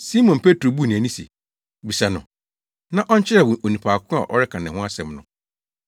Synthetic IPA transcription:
si˦mɔ̃˨npʰe˦tɾo˨bu˦˨nĩ˨æ˨nĩ˦sḛ˨ | bi˨sa˨nʊ̰̃˨ | nã˦ʔɔ˦ɲ̩˦t͡ɕʰɪ˦a˨wʊ̃˨ʔo˨nĩ˨pʰaː˨kʰʊ̃˦a̰˨ʔɔ̰˦ɾɪ˦kʰã˨nɛ̃˨hʊ̃˦a˦sɛ̃˨mnʊ̃˨

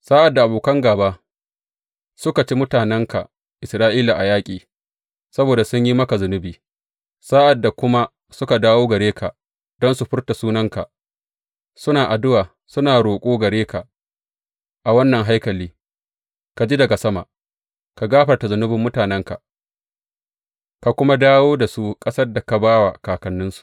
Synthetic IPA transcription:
saː˦ʔa˨dːa˨ʔa˨boː˨kɐ˦ŋɡaː˨baː˦ | sʊ˦ka˨t͡ʃi˦mʊ˦taː˨nɛ˦ŋka̰˨ | ʔɪ˨sɾaː˦ʔiː˦la˨ʔa˨jaː˦kʲʼiː˨ | sɐ˦boː˨da˨sʊ˦ɲji˦mɐ˦ka˨zʊ˨nʊ˦biː˨ | saː˦ʔa˨dːa˨kʷʊ˦ma˦ | sʊ˦ka˨daː˦woː˦ɡɐ˨ɾeː˦kʰa˨ | d̥ɔ˦nsu˨ɸʊ˦rta˨suː˦nɐ˦ŋka̰˨ʔ | sʊ˦naː˨ʔa˨dʊ˦waː˨ | sʊ˦naː˨ɾoː˨kʷʼoː˦ɡɐ˨ɽeː˦ka˨ | ʔa˨wɐ˦nːɐ˨ŋɦa˦jkɐ˨liː˦ | ka˨d͡ʒi˦dɐ˨ɡa˨sɐ˦ma̰˨ | ka˨ɡaː˦ɸɐ˨rta˨zʊ˨nʊ˦bɪ˨mːʊ˦taː˨nɛ˦ŋka̰˨ | ka˨kʷʊ˦ma˦daː˦woː˦da˨su˦kʼɐ˦sɐ˦rda˨ka˨baː˦wa˨kaː˨kɐ˨nːʊ˦nsu̥˨ʔ

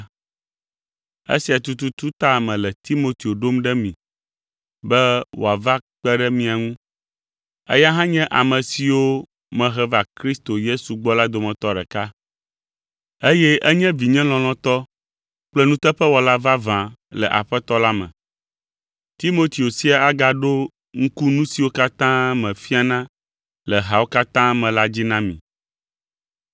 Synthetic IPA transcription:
ḛ˦si˨a˨t̪u˦t̪u˦t̪u˦t̪a˦˨mɛ̃˨lɛ˨t̪i˦mo˦t̪i˨o˨ɖo˦mɖɛ˦mĩ˨ | bɛ˦wo̰˨a˨va˦k͡pɛ˦ɖɛ˦mĩ˨a˨ŋũ˦ | ɛ̰˦ja˦ɦã˦ɲɛ̃˦ʔa˨mɛ̃˨si˨wo˦ | mɛ̃˨ɦɛ˦va˨kɾi˦st̪o˨je˦su˨ɡ͡bɔ˦la˦d̪o˨mɛ̃˨t̪ɔ˦ɖɛ̰˨ka˦ | e˦jɛ˦ʔɛ˦ɲɛ̃˦vi˨ɲɛ̃˦l̃ɔ̃˨l̃ɔ̃˦t̪ɔ˦ | k͡plɛ˦nũ˦t̪ɛ˦ɸɛ˦wɔ˨la˦va˦vã˨lɛ̰˨ʔa̰˨ɸɛ˦t̪ɔ˦la˦mɛ̰̃˨ | t̪i˦mo˦t̪i˨o˨si˦a˦a˦ɡa˨ɖo˦ | ŋ̩˦ku˦nũ˦si˨wo˦ka˦t̪ã˦mɛ̃˨fi˦a˦nã˦ | lɛ˨ɦa˨wo˦ka˦t̪ã˦mɛ̃˨la˦d͡ʑi˦nã˦mḭ̃˨

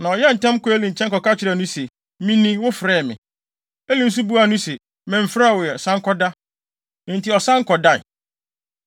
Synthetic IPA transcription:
nã˨ɔ˨jɛ˦n̩˨tʰɛ̃˦m˦kɔ˦e˦lĩ˨ɲ̩˨t͡ɕʰɛ̃˦ŋkɔ˨ka˦t͡ɕʰɪ˨ɾɛ˨nʊ̃˦se˨ | mĩ˦nĩ˦wʊ˦fɾɛː˦˨mɪ̰̃˨ | e˦lĩ˨˦n̩˦s̬u˦bu˦a˨nʊ̃˦sɛ˨ | mɛ̃˨m̩˨fɾa˦˨wɔ˨jɛ˨sã˦ŋ̩˦kʰɔ˦dã˦ | n̩˨tʰi˨ɔ˨sã˦ŋ̩˦kɔ˨da̰˦˨

